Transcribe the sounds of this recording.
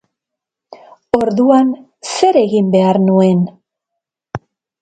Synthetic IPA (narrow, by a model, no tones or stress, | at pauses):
o̞ɾðuan | se̞ɾe̞ɣimbe̞aɾnue̞n